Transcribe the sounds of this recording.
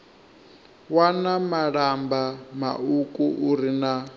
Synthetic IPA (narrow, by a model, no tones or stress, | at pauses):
wanamaɺambama̰ukʼuʔuɾina